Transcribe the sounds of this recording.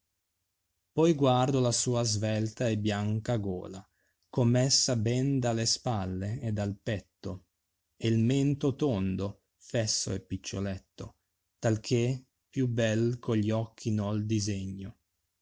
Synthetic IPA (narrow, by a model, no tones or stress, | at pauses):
pɔjɡward̪olasuːazvɛlt̪aɛbjaŋkaɡɔ̰ːla | komːɛsːabɛnd̪alespalːeed̪alpɛt̪ːo | elment̪ot̪ond̪o | fɛsːo̰ɛpːit͡ʃːolɛt̪ːo | t̪alkʰe | pjubɛlkʰoʎiɔkʰːinɔld̪izeɲːo